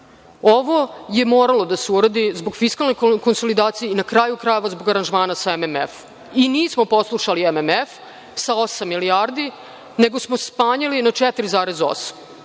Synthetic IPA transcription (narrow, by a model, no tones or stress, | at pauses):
oʋo̞je̞moːɾalo̞d̪aseuɾad̪izboɡ̥fiskalno̞jkko̞nso̞lid̪aːt̪sijeinakɾaːjukɾaje̞ʋazbo̞ɡaɾanʒmaːnasaememḛf | iniːsmo̞po̞slˠuʃaliememef | sao̞samːiliaːɾd̪i | ne̞ɡosmo̞spaːɲalinat͡ʂɛt̪ɾizaːɾezo̰sḁm